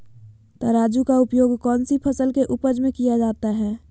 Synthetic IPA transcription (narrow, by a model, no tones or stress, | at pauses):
t̪ɔɾaːd͡ʒukaʊpjoːɡkɔːnsipʰəsəlkeʔʊpəd͡ʒmẽkijad͡ʒaːt̪aɦɛː